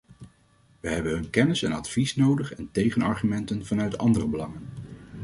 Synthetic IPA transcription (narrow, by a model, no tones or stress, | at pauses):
ʋəɦɛbənɦɵnkɛnɪsɛnɑ̰tfisnowdəχɛntejχənɑ̰ɹχymɛntənv̥ɑnœɥtɑ̰ndərəbəlɑŋən